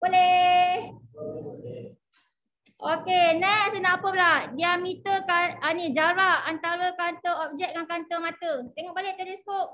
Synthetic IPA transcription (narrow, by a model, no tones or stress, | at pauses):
boleh | ʔokenɛsənapəladiamĩt̪əkaənĩd͡ʒaɾaʔant̪aɾəkant̪əɔp̚d͡ʒɛk̚kaŋkant̪əmat̪ət̪eŋɔʔbalɪʔ̚d̪adiskoʔ̚